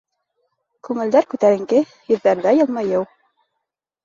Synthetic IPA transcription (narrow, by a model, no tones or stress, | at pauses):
kʉŋɘ̆ld̪æɾkʉt̪æɾɘ̆ŋkɘ | jɵ̆ðːæɾðæjɤ̆lˠmɑjɤw